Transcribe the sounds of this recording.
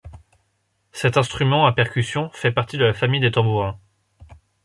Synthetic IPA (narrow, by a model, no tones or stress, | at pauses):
sɛt̪ɛ̃st̪χymɑ̃apɛʁkʲysjɔ̃fɛpaʁt̪id̪əlafamijd̪et̪ɑ̃buʁɛ̃